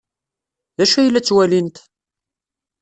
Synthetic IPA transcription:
ðæʃæjlːæt͡sːwælint̪

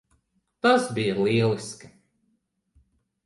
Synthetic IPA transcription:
t̪asbijɐliɛlˠiskḁ

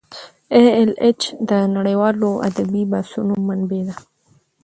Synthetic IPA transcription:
eelet͡ʃd̪ənaɽejwɑloa̰d̪abibasunomanbed̪a

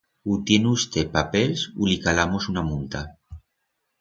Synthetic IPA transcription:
ut̪jenust̪epapelsulikalamosunamunt̪a

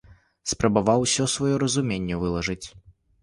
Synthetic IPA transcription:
spɾɐbavawsʲɔsvɔjɔɾɐzumʲenʲːɛvɨlˠɐʐɨt͡sʲ

